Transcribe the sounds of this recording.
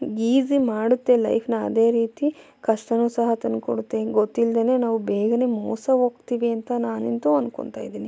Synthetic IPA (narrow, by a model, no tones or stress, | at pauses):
ɡiːzimaːɽut̪ːe̞lɐ̰jpʰnɐ̰ːd̪e̞ːɾiːt̪i | kɐʂʈɐnuːsɐɦɐt̪inko̰ɽut̪ːe̞ɡot̪ːild̪ɐne̞ːnaːʋubeːɡɐne̞ːmo̰ːsɐɦoːɡt̪iːʋiɐnt̪ɐnaːnent̪uɐnko̰ɳt̪a̰ːjid̪iːni